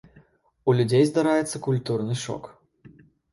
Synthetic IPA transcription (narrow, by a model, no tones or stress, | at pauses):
ulʲud͡zʲejzd̪aɾajɛt̪sːɐkulʲt̪urnɨʂɔ̰k